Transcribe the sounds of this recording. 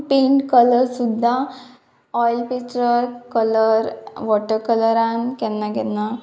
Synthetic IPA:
peɳʈkələɾsud̪ʱːa | ɔjlpet͡ʃɾəɾkələɾʋɔʈəɾkələɾankɛnːaɡɛnːa

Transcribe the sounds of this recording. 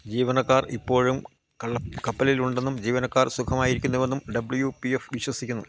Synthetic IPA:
d͡ʑiːʋɐnɐkːaːripːo̞ːɻum | kɐpːɐliluɳɖe̞nːumd͡ʑiːʋɐnɐkːaːrsukʰɐmaːjiɾikʲːunːuʋe̞nːumɖɐbɭjupiefʋiɕwɐsikʲːunːu

